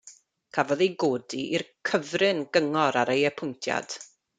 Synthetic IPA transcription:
kʰavɔðejɡoːdiʔirkʰəvrɨnɡ̥əŋɔɾaɾejɛpʰʊjntʰja̰d̥

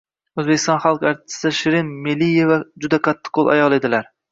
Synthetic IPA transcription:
ɵzbekʲɪst̪ɒ̃nχalˠqaɾt̪ʰɪ̥sɪd̪aʃɪɾɪnmelːijevad͡ʒʊd̪aqʰat̪ʰːɪ̥qʰolˠa̰jɒlˠe̞d̪ɪlaɾ

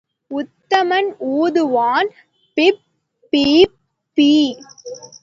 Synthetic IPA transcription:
ʊt̪ːɐmɐnuːðɯʋaːn | pɪp | pːiː | pːiː

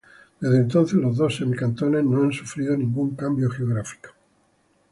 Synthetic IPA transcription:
d̪̥e̞zðent̪o̞nθelo̞zðo̞senlkant̪onenoansu̥fɾiðonĩŋɡuŋkambjoxeoɣ̞ɾafi̥ko̥

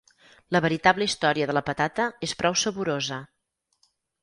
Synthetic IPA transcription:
ləβəɾit̪abləist̪ɔɾiəðələpət̪at̪əespɾɔwsəβuɾozə

